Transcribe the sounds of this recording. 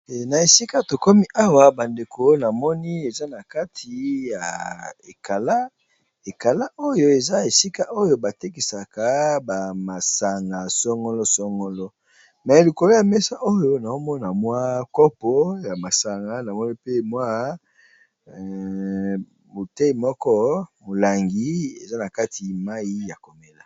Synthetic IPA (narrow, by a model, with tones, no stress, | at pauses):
na˨e˨si˦ka˦to˨kɔ˦mi˦ʔa˦wa˦ba˨nde˨ko˨na˨mɔ˦ni˦e˨za˦na˨ka˦tʰi˨ja̰˨e˨ka˨la˦ | e˨ka˨la˦ʔo˦jo˦e˨za˦e˨si˦ka˦ʔo˦jo˦ba˨te˦ki˨sa˨ka˦ba˨ma˨sa˨ŋɡa˨sɔ˦ŋɡɔ˦lɔ˦sɔ˦ŋɡɔ˦lɔ˦ | mɛ˨li˨ko˨lo˦ja˨mɛ˦sa˦ʔo˦jo˦na˨o˦mɔ˦na˨mwa˦kɔ˦pɔ˦ja˨ma˨sa˨ŋɡa˦na˨mɔ˦ni˦pe˦mwa˦ | mo˨te˦i˨mɔ˦kɔ˦mo˨la˨ŋɡi˨˦e˨za˦na˨ka˦tʰi˨ma˦i˦ja˨ko˨me˦la˨